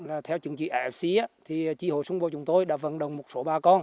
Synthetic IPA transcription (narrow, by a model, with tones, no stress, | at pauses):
laː˨˩t̪ʰɛ˧wt͡ɕɨ̰˨˧˩ŋt͡ɕḭ˧˨ʔaː˧˩ʔɛ˧˥fsi˧˦ʔaː˨˦t̪ʰi˨˩˨t͡ɕḭ˧˩ho̰˧˨sʊ˨˦ŋ͡mvoː˧˩t͡ɕʊ˨˦ŋ͡mt̪o˧jɗa̰ː˧˥və̰˧˥˨nɗə˨˩wŋ͡mmo˨˩t̚so˨˦ɓaː˧kɔ˧n